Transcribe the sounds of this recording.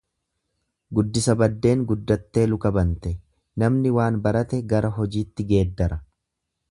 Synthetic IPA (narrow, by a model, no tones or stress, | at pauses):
ɡʊd̪ːɪsɐbɐd̪ːe̞ːŋɡʊd̪ːɐt̪ːe̞ːlʊkɐbɐnt̪ɛ | nɐmnɪwaːnbɐɾɐt̪ɛɡɐɾɐɦɔd͡ʒiːt̪ːɪɡe̞ːd̪ːɐɾɐ